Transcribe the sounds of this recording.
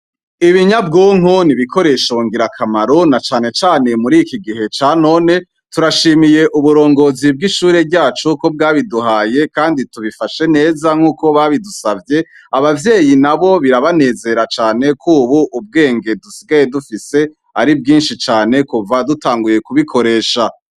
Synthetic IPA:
iβiɲabɡuŋ̥oniβikʰo̞ɾe̞ʃoŋɡiɾakʰamaɾo̞nat͡ʃaːne̞t͡ʃaːnemuɾikiɡiɦe̞t͡ʃaːno̞ːne̞ | tuɾaʃiːmije̞ʔuβuɾo̞ːŋɡo̞zib̚ɡiʃuːɾe̞ɾɟaːt͡ʃuko̞b̚ɡaːβiduɦaːje̞kaːndituβifaʃe̞ne̞ːzaŋ̥uːko̞βaβidusavje̞ | aβavje̞ːjinaβo̞βiɾaβane̞ːze̞ɾat͡ʃaːne̞kʰuːβuʔːb̚ɡe̞ːŋɡe̞dusiɡaje̞dufise̞ | a̰ɾib̚ɡiːnʃit͡ʃaːne̞kuvadutaːŋɡuje̞kuβikʰo̞ɾe̞ːʃa

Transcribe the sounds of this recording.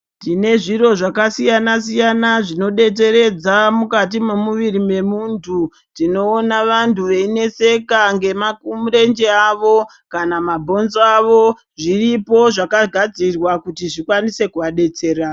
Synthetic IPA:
tine̞ʐiɾo̞ʐakasijanas̬ijanaʐino̞ɗe̞t͡s̬e̞ɾe̞d͡zamukat̬imemuʋiɾime̞muntʰu | tino̞ːnaʋantuʋe̞ine̞se̞kaŋɡe̞makumuɾe̞nd͡ʒe̞aʋo̞ | kanamabʱo̞nzoaʋo | ʐiripo̞ʐakaɡʱad͡zirwakutiʐikwanise̞kuʋaɗe̞t͡se̞ːra

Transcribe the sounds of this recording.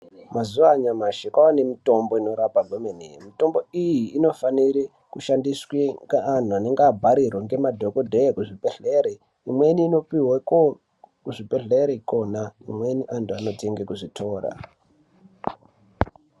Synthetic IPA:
mazuaɲamaʃekaane̞mito̞mbo̞ino̞ɾapaɡʱomenemito̞mbo̞ijiːno̞faniɾi | kuʃandiswiŋɡaan̤uane̞ŋɡeabʱaɾirwaŋɡe̞madʱokodʱekuʐipeɬeɾe | imwe̞niːno̞piweko | kuʐipeɬeɾeko̞naḭmwe̞niʔantʰuano̞tʰe̞ŋɡekuʐitʰo̞ːra̰

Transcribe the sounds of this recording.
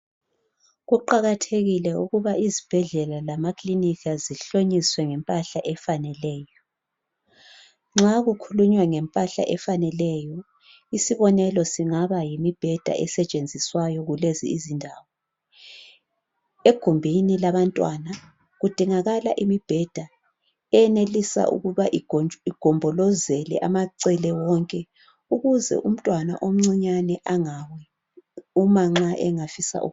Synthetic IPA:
ɣuǃaɣatʰeɣilɛuɣuβaizib̥ʱɛɮɛlalamakʰlinikʰaziɬoɲiswɛŋɛmpʼaɬaʔɛfanɛlɛːjɔ | ŋ͡ǁaɣukʰuluɲwɛŋɛmpʼaɬa̰ʔɛfanɛlɛjɔ | isiβɔnɛlɔsiŋaβajimib̥ʱɛd̥ʱa̰ʔɛsɛt͡ʃʼend͡zʱiswajɔɣulezḭizindʱawɔ | eɡ̥ʱumbʱinilaβantʼwana | ɣud̥ʱiŋaɣalaʔimib̥ʱɛd̥ʱa | ɛjɛnelisa̰ʔṵɣuβaʔiɡ̥ʱɔmbʱɔlɔzɛlɛ̰ʔamaǀɛlɛwɔŋkʼɛ | uɣuzɛ̰ʔum̩tʼwana̰ʔom̩ŋ͡ǀiɲanɛʔaŋawɛ | umaŋ͡ǁaʔɛŋafisa̰ʔṵ

